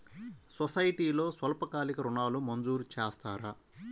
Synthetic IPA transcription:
sɔsɐjʈiːlo̞ːsʋɐlɐpɐkaːlikɐɾunaːlumɐnd͡ʒuːɾut͡ʃeːst̪aːɾa̰ː

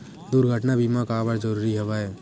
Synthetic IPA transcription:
d̪uɾɡʱəʈnabimakaːbəɽd͡ʒəɾuːɾiɦɛʋaːe

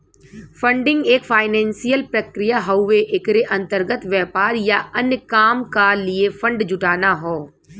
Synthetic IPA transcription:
fʰə̃ɳɖɪ̃ŋɡeːkfʰaːɪnɛ̃ːnsijəlpɾəkɾɪjaɦɐʊʋeʔɪkɾeʔɐ̃nt̪əɾɡət̪ʋjɛːpaːɾjaɐnjəkaːmkaliefʰə̃ɳɖd͡ʒʊʈaːnaɦoː

